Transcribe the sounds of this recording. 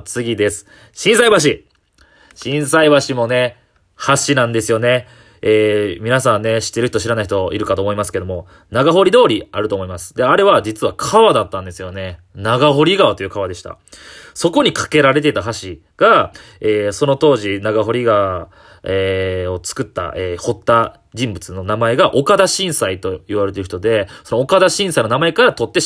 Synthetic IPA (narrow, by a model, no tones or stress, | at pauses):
t͡sɨɡʲid̪e̞sɨ̥ | ɕĩɰ̃saibaɕ̬i | ɕĩɰ̃saiβaɕimo̞ne̞ | haɕinãnd̪esɨjo̞ne̞ | eːmʲinasãnːe̞ɕi̥t̪ːe̞ɾɯ̟çi̥t̪oɕiɾanaiçit̪o̞ḭɾɯ̟kat̪oːmo̞imasɨ̥ke̞d̪o̞mo̞ | naɡaɦo̞ɾʲid̪o̞ːɾʲiaɾɯ̟t̪o̞ːmo̞imasɨ̥d̪e̞aɾe̞βad͡ʑit͡sɨβakʰaβad̪at̪ːãnd̪e̞sɨjo̞ne̞ | naɡaɦo̞ɾʲiɡaot̪o̞iɯ̟kaβad̪e̞ɕi̥t̪a̰ | so̞ko̞ɲ̟ikʰḁke̞ɾaɾe̞t̪̬e̞t̪aɦaɕi | ɡ̥a | eːso̞no̞t̪o̞ːʑinaɡaɦo̞ɾʲiɡa | eo̞t͡sɨ̥kɯ̟t̪ːa̰ʔeːho̞t̪ːa | d͡ʑĩmbɯ̟t͡sɨno̞namae̞ɡaʔo̞kad̪aɕĩɰ̃sait̪o̞iβaɾe̞t̪e̞ɾɯ̟çit̪od̪e̞so̞noːkad̪aɕĩsaino̞namae̞kaɾat̪o̞t̪ːe̞